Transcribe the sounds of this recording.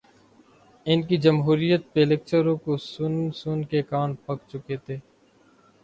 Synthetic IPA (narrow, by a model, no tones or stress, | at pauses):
ɪnkid͡ʒɐmɦuːɾijət̪̚pelek̚t͡ʃəɾõkosʊnsʊnkekaːnpɐkt͡ʃʊket̪ʰeː